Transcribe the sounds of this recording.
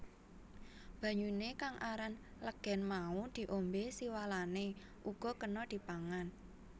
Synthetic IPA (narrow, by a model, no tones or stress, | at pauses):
b̥ä̤ɲunekaŋʔaɾanləɡ̥ɛ̤nmaud̪̥i̤ʔombesiwalane | ʔuɡ̥ɔ̤kənɔd̪̥i̤paŋan